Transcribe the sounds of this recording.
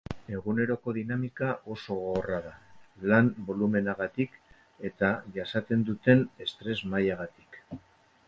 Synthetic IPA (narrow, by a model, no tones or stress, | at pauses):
e̞ɣune̞ɾo̞ko̞ðinamikaʔo̞so̞ɣraðalambo̞lume̞naɣat̪ik | e̞t̪aʝasat̪e̞nd̪ut̪e̞ne̞st̪ɾe̞zmajaɣat̪i̥k